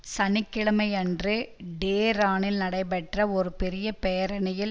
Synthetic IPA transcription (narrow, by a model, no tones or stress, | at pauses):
sɐnɪkːɪɭɐmɐɪɛndrɯɖeːɾaːnɪlnɐɽɐɪpɛʈrɐɔɾɯpɛɾɪjɐpeːɐɾɐnɐjɪl